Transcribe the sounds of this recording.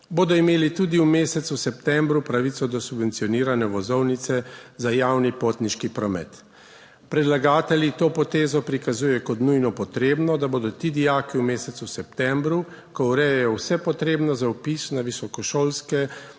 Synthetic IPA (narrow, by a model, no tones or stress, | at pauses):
boːd̪ɔimeːlit̪uːd̪iumeːsɛt̪susɛpt̪ɛ̃mbɾupɾaʋit̪sɔd̪ɔsubʋɛnt̪sijɔniːɾanɛʋɔzɔwnit̪sɛzajawnipoːt̪niʃkipɾɔmɛ̰t̪ | pɾɛd̪laɡaːt̪ɛlʲit̪oːpɔt̪eːzɔpɾikazuːjɛkɔt̪nujnɔpɔt̪ɾeːbnɔd̪aboːd̪ɔt̪iːd̪ijaːkiwmeːsɛt̪susɛpt̪ɛ̃mbɾu | kɔuɾɛjɛjɔwsɛpɔt̪ɾeːbnɔzawpisnaʋisɔkɔʃoːlskɛ